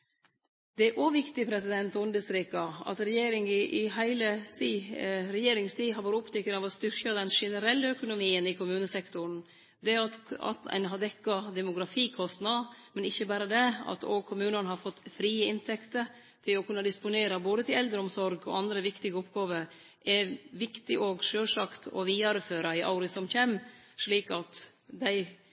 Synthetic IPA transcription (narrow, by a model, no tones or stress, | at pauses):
d̪ɛʔoʋɪkt̪ɪpʰɾɛsɪd̪ɛnt̪ʊnd̪əsɾiːkɑɑ̰t̪ɾɛjeːɾɪŋɪʔɪɦæɪləs | ɾɛjeːɾɪŋst̪ʰiːɦɑɾʋoːɾəʊpt̪ʰɪkːənɑʋɔst̪ʏɾkɑd̪ɛnʂɛnəɾɛlːəœkʊnʊmiːənɪkʰʊmʉːnəsɛkt̪ʊɾn̩ | d̪ɛɑt̪ɑ̰t̪æ̰ɪnɦɑd̪ɛkːɑd̪ɛmʊɡɾɑfiːkʰɔst̪nɑmɛnɪçːəbæːɾəd̪ɛɑ̰t̪ʰɔ̰kʰʊmʉːnənəɦɑɾfɔt̪ːfɾiːəɪnt̪ʰɛkt̪əɾ | t̪ʰɪlɔkʉnːɑd̪ɪspʊneːɾɑboːd̪ət̪ʰɪlɛld̪əɾɔmsɔɾɡɔ̰ɑnd̪ɾəʋɪkt̪ɪɡəɔpɡɑːʋəɾ | ʔɛʋɪkt̪ɪʔoɡʂøːlʂɑkt̪ʰɔ̰ʋiːɑɾəføːɾɑɪʔɑ̰ʊɾɪsɔmçɛmʂɭiːkɑt̪d̪æɪ